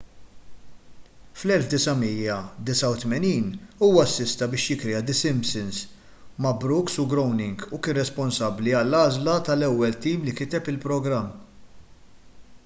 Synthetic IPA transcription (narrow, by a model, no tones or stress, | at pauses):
flɛlfd̪ɪsɐmijɐd̪ɪsɐwt̪mɛniːnuːwɐɐsːɪst̪ɐbɪːʃjɪkɾɛjɐd̪ɪsɪmpsɪns | mɐbɾʊksʊɡɾɔwnɪŋɡukɪːnrɛspɔnsɐbːliɐlːɐːzlɐt̪ɐlɛwːɛlt̪iːmlikɪt̪ɛpɪlpɾɔɡɾɐmː